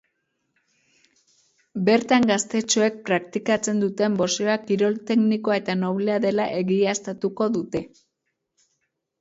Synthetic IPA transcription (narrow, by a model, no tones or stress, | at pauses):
be̞ɾt̪aŋɡast̪e̞t͡ʃoe̞k̚pɾak̚t̪ikat͡se̞nd̪ut̪e̞mbo̞seakiɾo̞lt̪e̞kniko̞ae̞t̪ano̞βleaðe̞laʔe̞ɣiast̪at̪uko̞ðut̪e̞